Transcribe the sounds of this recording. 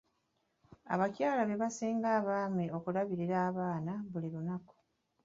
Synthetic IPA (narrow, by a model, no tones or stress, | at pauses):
a̰βacaːlaβe̞βasiːŋɡaːβaːmeo̞kulaβiɾiɾaːβaːnaβulilunaku̥